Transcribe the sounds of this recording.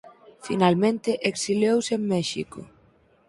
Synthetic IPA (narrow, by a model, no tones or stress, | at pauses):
finalmẽnt̪ɪʔeksiljowsemːɛʃḭko̰